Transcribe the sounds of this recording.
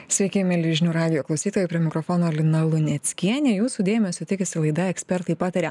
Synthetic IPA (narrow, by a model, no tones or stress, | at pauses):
sʲʋʲɛɪkʲemʲɛlʲɪʒʲɪnʲuːɾɑːd̪ʲɪjoːklˠɒʊsʲiːt̪oːjɛpʲɾʲiɛmʲɪkɾofoːnoːlʲɪnɐlˠʊnʲɛt̪sʲkʲiɛnʲeːjuːsuːd̪ʲeːmʲɛsʲot̪ʲɪkʲɛsʲɪlˠɐɪd̪ɐɛksʲpʲɛɾt̪ɐɪpɑːt̪ɐɾʲe